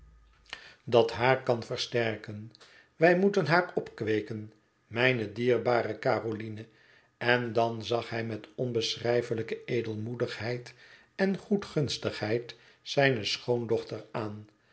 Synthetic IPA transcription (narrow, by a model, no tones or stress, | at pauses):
dɑtɦaːɹkɑnfəɹstɛɹkən | ʋɛjmutənɦaːɹɔpkʋejkən | mɛjnədiːɹbaːɾəkaːrolinə | ɛndɑnzɑχɦɛjmɛtɔnbəsrɛjfələkəejdəlˠmudəχɦɛjt | ɛnχutχɵnstəχɦɛjt | sɛjnəsχowndɔχtəɹaːn